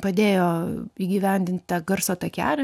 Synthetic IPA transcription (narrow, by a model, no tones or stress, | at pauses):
pɐd̪ʲeːjoːiːɡʲɪʋʲɛnʲd̪ʲɪnt̪ʲt̪ɑɡɐrsoːt̪ɐkʲæ̰ːlʲɛ